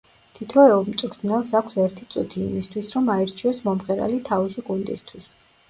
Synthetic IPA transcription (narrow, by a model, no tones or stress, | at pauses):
t̪ʰit̪ʰɔɛɔmt̪sʼukʰd̪nɛlˠsakʷʰsɛɾt̪ʰit̪sʼṵt̪ʰḭːmist̪ʰwisɾɔmaɛɾt͡ʃʰiɔsmɔmχʼɛɾa̰lit̪ʰavisiɡund̪ʼḭst̪ʰwis